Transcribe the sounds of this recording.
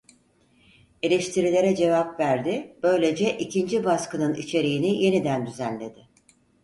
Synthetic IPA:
e̞lʲeʃt̪ʰiɾilʲe̞ɾɛd͡ʒe̞vapvæɾd̪ɪb̥ø̞jlʲe̞d͡ʒɛʔicʰind͡ʒibaskɯnɯnḭt͡ʃʰe̞ɾijinije̞nid̪ænd̪yzænlʲe̞d̪̥ɪ

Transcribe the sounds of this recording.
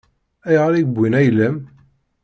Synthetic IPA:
æjʁaɾiɡbʷwinæjləm

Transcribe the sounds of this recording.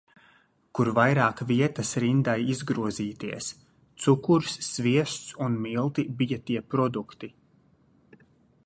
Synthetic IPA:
kuɾvajɾaːkviɛt̪asɾind̪ajizɡɾuɔziːt̪iɛs | t̪sukuɾsːviɛst̪sunmilˠt̪ibijat̪iɛpɾɔd̪ukt̪i

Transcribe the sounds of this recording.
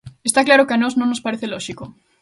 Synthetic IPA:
est̪aklaɾokɪanɔznõŋnospaɾeθelɔʃiko

